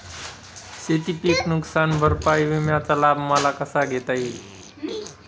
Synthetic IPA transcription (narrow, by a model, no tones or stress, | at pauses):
set̪ipiknuksanbʱəɾpajbemjãt͡səlabmalakəsaɡʱet̪əi